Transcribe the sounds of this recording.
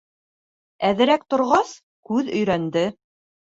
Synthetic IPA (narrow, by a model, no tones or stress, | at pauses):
æðɘ̆ɾæk̚t̪ŏɾʁɑs | kʉðɵ̆jɾænd̪ɘ